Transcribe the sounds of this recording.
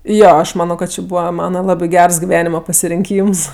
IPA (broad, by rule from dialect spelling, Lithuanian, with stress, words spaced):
ˈjoː ˈɐʃ ˈmɑːnoː kɐt ˈt͡ʃʲɪ ˈbuːʋɐ ˈmɑːnɐ ˈlˠɑːbʲɪ ˈɡʲɛrs ɡʲɪˈʋʲæːnʲɪmɐ pɐsʲɪrʲɪŋʲˈkʲiːms